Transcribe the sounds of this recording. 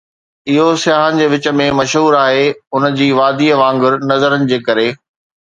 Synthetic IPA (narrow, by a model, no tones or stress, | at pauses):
ɪɦosɪjaːɦənɪ̆d͡ʑeːʋɪt͡ɕə̆mẽmɐʃɦuːɾaːɦeʊnəd͡ʑiːʋaːd̪iːəʋãːŋɡʊɾnɐzəɾənɪ̆d͡ʑeːkɐɾeː